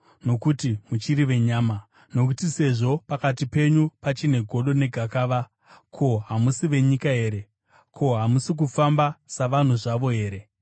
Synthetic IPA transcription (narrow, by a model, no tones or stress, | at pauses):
no̞kutimut͡ʃiɾiʋe̞ɲaːma | no̞k̬utise̞ʐo̞pakatipe̞ɲupat͡ʃine̞ɡʱo̞ɗo̞ne̞ɡʱakaːʋa | kʰo̞ɦamusiʋe̞ɲikaɦe̞ːɾe̞ | kʰo̞ɦamusik̬ufambasaʋan̤uʐaʋo̞ɦe̞ːɾe̞